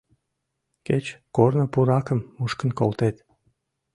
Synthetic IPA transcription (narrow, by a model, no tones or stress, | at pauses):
ket͡ɕkornə̆puɾɑkə̆mːuʃkə̆nkolt̪et̪